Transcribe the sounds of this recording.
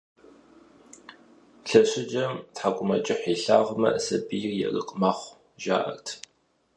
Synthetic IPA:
ɬɐɕɪd͡ʒɐmtħaɡʷʼʊmɐt͡ʃʼɪħiɬaːʁʷmɐ̰ʔsɐbijjɛ̰rɨ̰qʼmaːχʷ | ʒa̰ːʔɐ̰rtʰ

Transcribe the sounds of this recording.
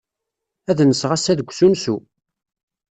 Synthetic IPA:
æðnəsʁasæðəɡʷsunsu

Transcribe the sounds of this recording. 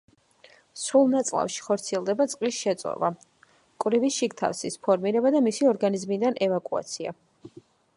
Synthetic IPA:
sulˠnat̪sʼlˠa̰fʃi̥χɔɾt̪sʰiɛlˠd̪ɛbat̪sʼqʼisʃɛt̪sʼɔ̰va | kʼvɾivisʃikt̪ʰa̰fsispʰɔɾmiɾɛbad̪amisiɔɾɡanizmid̪anʔɛvakʼua̰t̪sʰia̰

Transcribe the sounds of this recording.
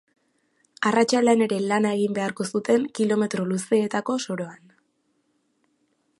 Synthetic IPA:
arat͡ʃalene̞ɾe̞lanae̞ɣimbe̞aɾko̞sut̪e̞ŋkilo̞me̞t̪ɾo̞luse̞ːt̪ako̞so̞ɾo̞an

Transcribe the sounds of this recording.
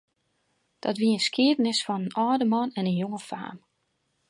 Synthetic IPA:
d̥ɔtʋiəənskiədənɪsfɔnənɔːdəmɔnɛnənjoŋəfa̰ːm

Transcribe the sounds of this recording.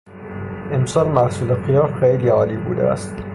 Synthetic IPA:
emsɒːlmæɾsuːlexijɒːfxejliːɒːliːbṵːd̪ḛæ̰st̪

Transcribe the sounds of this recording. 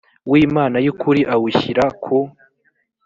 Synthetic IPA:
wiːmaːnajukuɾiʔawuçiɾakʰu

